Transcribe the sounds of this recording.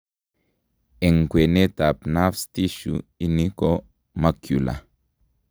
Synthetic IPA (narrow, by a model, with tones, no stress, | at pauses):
e˨ŋ˨ɡwe˨ne˦ta˨pna˦fst̪i˦ʃṵ˨i˦ni˦ko˦ | ma˦kju˨la̰˨